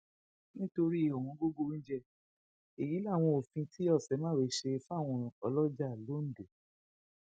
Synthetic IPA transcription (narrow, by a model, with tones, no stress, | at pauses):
nĩ˦to˧ɾi˦˨ɔ˨wɔ̃˨˧ɡo˦ɡo˦n̩˦d͡ʒɛ˧ | e˨ji˨˦la˦˨w̃ɔ̃˧o˨fĩ˧tʰi˦ɔ˦˨sɛ˨˦mãː˦˨e˨˧˦ʃe˧fa˦˨w̃ɔ̃˧ɔ˧lɔ˦d͡ʒa˦˨lo˨˦n̩˦˨de˨